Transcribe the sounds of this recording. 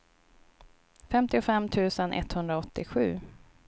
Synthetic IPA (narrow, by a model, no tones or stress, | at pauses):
fɛmt̪ɪʊfɛmːt̪ʰʉ̟ːsənʔɛ̰t̪hɵnd̪ɾaɔt̪ːɪɧʉ̟ː